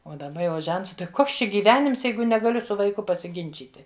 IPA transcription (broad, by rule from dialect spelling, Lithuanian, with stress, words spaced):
ˈoː dɐˈbɐ jɛʊ ˈʒʲɛnts tɐɪ ˈkoːks ˈt͡ʃʲɛ ɡʲiːˈʋʲæːnʲɪms ˈjɛɪɡʊ nʲɛɡɐˈlʲʊ sʊ ʋɐɪˈkʊ pɐsʲɪˈɡʲɪnʲt͡ʃʲiːtʲɪ